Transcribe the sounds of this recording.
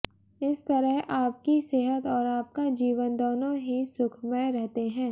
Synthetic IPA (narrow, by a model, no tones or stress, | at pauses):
ɪst̪ɐɾəɦʔaːp̚kiseɦət̪ɔːɾaːp̚kad͡ʒiːʋənd̪oːnõɦisʊkʰmɛɾɛɦt̪eɦɛ̃ː